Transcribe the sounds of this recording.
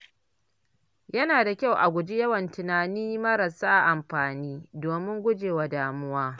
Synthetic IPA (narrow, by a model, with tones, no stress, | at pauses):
jɐ˦naː˨da˨kʲa˦˨wʔa˨ɡʷʊ˨d͡ʒi˦jɐ˦wɐ˨ntɪ˨naː˨niː˦mɐ˦ɾɐ˨saː˦ʔa˨ʔa˨mɸaː˨niː˦doː˨mɪ˦ŋɡʷʊ˦d͡ʒeː˨wa˨daː˨mʊ˦waː˦